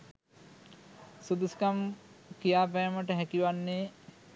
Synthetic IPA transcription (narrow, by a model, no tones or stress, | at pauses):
sud̪uskamkijaːp̬æjməʈəɦækiʋanːeː